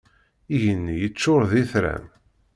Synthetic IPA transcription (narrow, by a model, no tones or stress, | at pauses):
ijənːijət͡sːʊɾðiθɾæ̰m